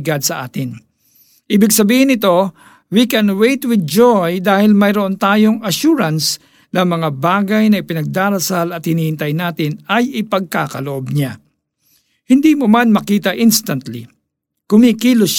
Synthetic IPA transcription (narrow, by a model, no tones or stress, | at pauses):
ɡad̪sɐʔaːt̪ɪn | ʔiːbɪɡ̚sɐbiːhɪnɪt̪o̞ | wikɛnwejt̪wɪd̪̚d͡ʒojd̪aːhɪlmɐjɾoʔont̪aːjoŋɐʃuːɾɐns | nɐmɐŋabaːɡɐjnɐɪpɪnɐɡ̚d̪aːɾɐsalɐt̪̚hɪniːhɪnt̪ɐjnaːt̪ɪnɐjɪpɐɡ̚ka̰ːkɐloʔob̚ɲa | hɪnd̪iːmomanmɐkiːt̪ɐʔɪnst̪ɐnt̪lḭ | kʊmikiːloʃ